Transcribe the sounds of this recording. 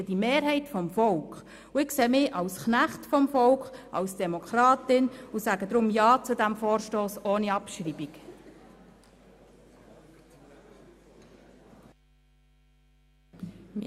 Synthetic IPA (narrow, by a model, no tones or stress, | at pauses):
ədimeːɾɦɛɪtfɔmfɔlkχ | uɪkseːmɪʔɑʊsknæχtfɔmfɔlkχʔɑ̰wsd̥ɛmɔkʰɾɑːtɪnusæːɡəd̪ɾʊmjɑːt͡sudæmfɔːɾʃtoːsoːniɑpʃɾiːbik